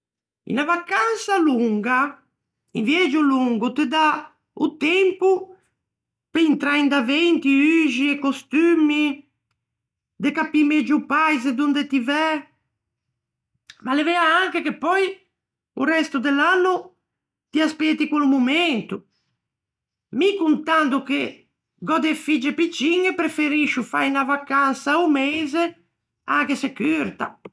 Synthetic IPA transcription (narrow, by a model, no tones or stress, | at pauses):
ḭnavakːansaluŋɡa | invjɛd͡ʒuluŋɡut̪ed̪a | ut̪ɛmpu | peint̪ɾaind̪avɛnt̪iyʒiekːost̪ymi | d̪ekapimɛd͡ʒupajzed̪und̪et̪ivɛ | malevɛaaŋkekepːɔj | urɛst̪ud̪elːanːu | t̪iaspɛt̪ːikwulumument̪u | mikunt̪and̪uke | ɡɔd̪efid͡ʒepit͡ʃːiŋəpɾefeɾiʃːufa̰jnavakansaumeːze | aŋkesekyɾt̪a̰